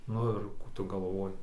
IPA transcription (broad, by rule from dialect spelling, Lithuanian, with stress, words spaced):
ˈnʊ ɪr ˈkuː tʊ ɡɐˈlˠʋoːjɪ